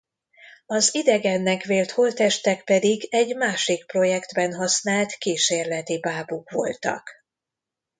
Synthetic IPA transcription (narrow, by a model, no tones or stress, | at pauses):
ɒzid̪ɛɡɛnːɛkʋeːlt̪holt̪ɛʃt̪ɛkpɛd̪iɡɛɟmaːʃik̚pro̞jɛkd̪bɛnɦɒsnaːlt̪kiːʃeːrlɛt̪ibaːbukʋo̞̰lt̪ɒ̰k